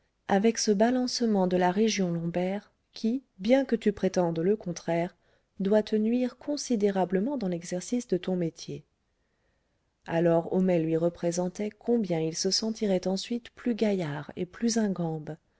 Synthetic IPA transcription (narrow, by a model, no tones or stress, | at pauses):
avɛksəbalɑ̃səmɑ̃d̪əlaʁeʒjɔ̃lɔ̃bɛʁ | kʲʰibjɛ̃kət̪ypχet̪ɑ̃d̪ləkɔ̃t̪χɛʁ | d̪wat̪ʰənɥiʁkɔ̃sid̪eʁabləmɑ̃d̪ɑ̃lɛɡzɛʁsisd̪ət̪ɔ̃met̪je | alɔʁomɛlɥiʁəpχezɑ̃t̪ɛkʰɔ̃bjɛ̃ilsəsɑ̃t̪iʁɛt̪ɑ̃sɥit̪plyɡajaʁḛplyzɛ̃ɡɑ̃b